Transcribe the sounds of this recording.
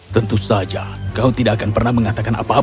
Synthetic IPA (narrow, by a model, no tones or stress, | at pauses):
t̪ənt̪usad͡ʒa | kaut̪idaʔːkanpərnahməŋat̪akana̰pa